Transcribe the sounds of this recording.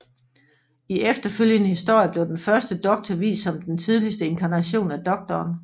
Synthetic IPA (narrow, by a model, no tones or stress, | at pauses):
iefd̥ɐføl̰jənəhisd̥o̝ɐ̰jəb̥le̝ʊd̥enfɶɐsd̥əd̥ɒ̽ɡ̥̚t͡sʰɒʋḭːsːɒ̽md̥ent͡sʰið̞ˠlisd̥əe̝nkʰɑ̈næɕo̝̰ːnæd̥ɒ̽ɡ̥̚d̥ɒːn